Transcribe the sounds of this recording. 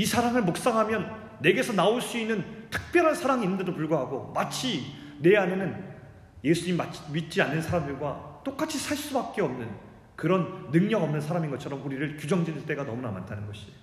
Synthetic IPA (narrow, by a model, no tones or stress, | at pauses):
isʰaɾaŋɯɭmok̚s͈aŋɦamjʌnː | e̞ɡe̞sʰʌnaoɭs͈uinːɯntʰɯ̥k̚p͈jʌɾɦansʰaɾaŋinːɯnde̞dopuɭɡwaɦaɡomat͡ɕʰine̞ɦanenɯn | je̞sʰuɲimimamit̚t͡ɕ͈ianːɯnsʰaɾamdɯɭɡwat͈ok͈at͡ɕʰisʰaɭs͈ubak̚k͈eʌmnɯn | kɯɾʌnːɯŋɲʌɡʌmnɯnsʰaɾaminɡʌt͡ɕʰʌɾʌmuɾiɾɯɭkjud͡ʑʌŋd͡ʑinɯnt͈e̞ɡanʌmunama̰ntʰanɯnɡʌɕʰi̥